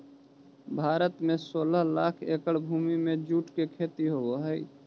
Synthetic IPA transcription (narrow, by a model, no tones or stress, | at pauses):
bʱaːɾət̪mẽsoːləɦlaːkʰeːkəɽbʱuːmimẽd͡ʒuːʈkekʰeːt̪iɦooɦɛi